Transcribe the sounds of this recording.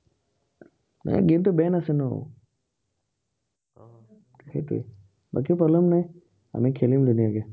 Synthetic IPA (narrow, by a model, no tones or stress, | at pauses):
na̰jɡintubɛnasɛno̰ | xḛjtṵɛ̰ | ba̰k̬ipɔblɛmnaj | a̰mikʰelimdunijaɡɛ